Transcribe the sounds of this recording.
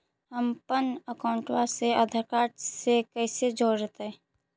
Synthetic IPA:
ɦəmpənəkaʊ̃ɳʈwaseəd̪ʱəkaːʈsekəɪsed͡ʒoːɾɾət̪ɛ

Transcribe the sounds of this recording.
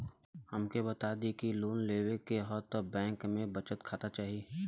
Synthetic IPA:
hɐmkebɐt̪aːd̪ikiloːnleːwekeɦɔt̪bɛ̃ːŋkmẽbɐt͡ʃət̪kʰaːt̪at͡ʃaːɦie

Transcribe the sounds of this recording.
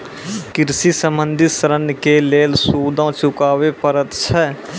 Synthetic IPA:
kɪɾsisəmə̃nd̪ʱɪsəɾənkeleːlsuːd̪ãt͡ʃʊkaːʋepəɾət̪t͡ʃʰɛː

